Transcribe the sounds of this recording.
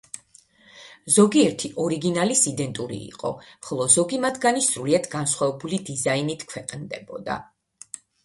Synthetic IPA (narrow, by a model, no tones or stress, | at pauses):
zɔɡiɛɾt̪ʰiʔɔɾiɡinalisid̪ɛnt̪ʼuɾḭːqʼɔ̰χɔlˠɔzɔɡimat̪ʰɡanisɾuliad̪ɡansχwavɛbulid̪izainit̪ʰkʰwɛqʼnd̪ɛbɔ̰d̪a̰